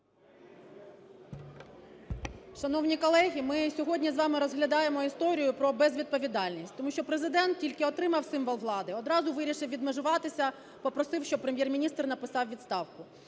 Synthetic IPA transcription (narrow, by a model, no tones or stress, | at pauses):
ʃɐnɔwnʲikɔlˠɛɦʲimɪsʲɔɦɔdʲnʲizʋɑmɪɾɔzɦlʲɐd̪ɑjemɔist̪ɔɾʲijʊpɾɔbɛzʋʲid̪̚pɔʋʲid̪ɑlʲnʲisʲtʲt̪ɔmuʃt͡ʃɔpɾezɪd̪ɛnt̪̚tʲilʲkɪɔt̪ɾɪmɐwsɪmʋɔlˠʋlˠɑd̪ɪɔd̪ɾɑzʊʋɪɾʲiʃɪwʋʲid̪meʒʊʋɑt̪ɪsʲɐ | pɔpɾɔsɪwʃt͡ʃɔpɾemʲjɛrmʲinʲist̪rnɐpɪsɑwʋʲid̪st̪ɑwkʊ